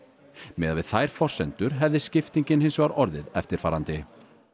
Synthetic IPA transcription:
mɛðavɪðθajɾ̥fɔr̥sɛnt̪ʏɾ̥ɦɛvðɪscɪft̪iɲcɪnhɪnsvaɾɔɾðɪðɛft̪ɪɾ̥faːɾant̪ɪ

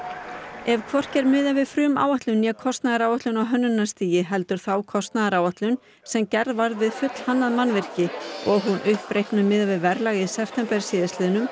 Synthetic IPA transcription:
ɛvkʰvɔr̥cɛɾmɪːðavɪðfɾʏːma̰ːwaht̪lʏnjɛɣkʰɔst̪naðaɾaːwaht̪lʏnawɦœnːʏnːḁst̪iːjɪɦɛl̪t̪ʏɾ̥θawkʰɔst̪naðaɾaːwaht̪lʏn | sɛmcɛɾðvaɾðvɪðfʏt̪l̥hanːaðmanːvɪr̥cɪɔɣɦunʔʏhpɾejhknʏmɪːðavɪðvɛɾlaːɣiðsɛpfʰt̪ʰɛmpɛɾ̥sɪːðɪsɪːðʏnʏm

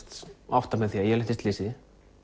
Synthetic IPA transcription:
t̪a̰ft̪amɛðθiːajɛlɪht̪ɪst̪lɪːsɪ

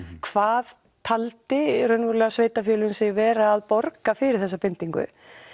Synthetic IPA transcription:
kʰvaːð | t̪ʰalt̪ɪɾœnvɔɾʏlɛɣasveːjt̪afjœːlʏnsɪvɛːɾaːðpɔɾkafɪɾɪɾ̥θɛsːapɪnt̪iŋkʏ̰

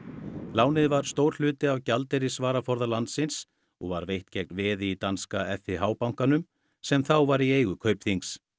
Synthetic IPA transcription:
laːwnɪðvaɾ̥st̪owɾ̥l̥ʏːt̪ɪawcalt̪ɛɾɪsvaːɾafɔɾðalant̪sɪns | ɔɣva̰ɾvejht̪cɛk̚nvɪðit̪anskaɛfɪɦaːwpawŋ̥kanʏm | sɛmθawvaɾieːjɣʏkʰœːɥpθiŋks

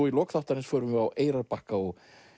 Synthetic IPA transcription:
ɔilɔkθaht̪aɾɪnsfœːɾʏmʏawʔeːjɾaɾpahkaɔɣ

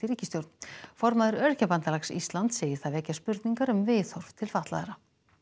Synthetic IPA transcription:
ɪɾiːcɪst̪jowɾt̪nfɔɾmaðɪɾœɾcapant̪alaksḭst̪lant̪seːjɪ̥θaðɛcːaspʏɾt̪niŋkaɾʏmvɪːθɔɾ̥v̥t̪ʰɪlfaht̪la̰ðɛɾa

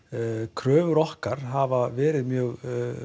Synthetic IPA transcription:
kʰɾœːvʏɾɔhkaɾ̥ɦavavɛːɾɪðmjœɣ

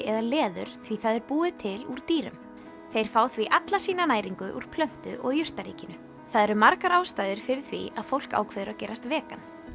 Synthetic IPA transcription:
ɛðalɛːðʏ̰ɾ̥θviθaðɛɾpuːðɪt̪ʰɪluɾ̥t̪iːɾʏ̰m | θejɾ̥faːwθviʔat̪lasiːnanaːjɾiŋkʏʔṵɾ̥pʰlœn̥t̪ʏʔɔɣjʏr̥t̪aɾḭːcɪnʏ | θaðɛɾʏmaɾkaɾaːwst̪aːjðɪɾ̥fɪɾɪ̥θvḭaðfowl̥ka̰ːwkʰvɛðʏɾawcɛːɾast̪vɛːkan

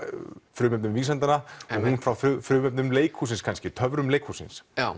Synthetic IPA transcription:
fɾʏːmɛpnʏmviːsant̪anaɔɣhunfɾawfʏfɾʏːmɛpnʏmleːjkʰhusɪnskʰanscɪt̪ʰœvɾʏmleːjkʰhusɪ̰nsa

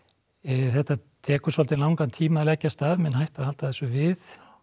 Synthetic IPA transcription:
θɛht̪at̪ʰɛːkʏsɔlt̪ɪnlawŋkant̪ʰiːmaðlɛcːast̪avmɛnhajht̪aðhalt̪aðθɛsʏvɪθ

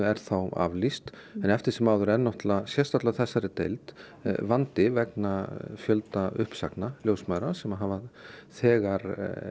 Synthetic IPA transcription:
ɛɾ̥θawa̰vlist̪ɛnɛft̪ɪɾ̥sɛmawðʏɾɛnːɔht̪lasjɛst̪aht̪aθɛsːaɾɪt̪ejlt̪ | vant̪ɪvɛknafjœlt̪aʏhpsa̰knaljowsmaɾasɛmaɦavaθɛːɣaɾ

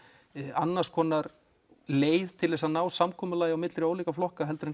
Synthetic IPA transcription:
a̰nːaɾ̥skʰɔːnaɾ | leːjðt̪ʰɪlðɛs̬anaːwsamkʰɔːmʏlaːjɪawmɪt̪lɾɪoːwliːkaflɔhkaɦɛlt̪ɾɪ

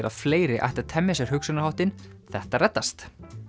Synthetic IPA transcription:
ɾʔa̰ðfleːjɾɪʔa̰ht̪ɪɾ̥t̪ʰɛmːɛsɛɾ̥hʏksʏnaɾhawht̪ɪnθɛht̪arɛt̪ːast̪

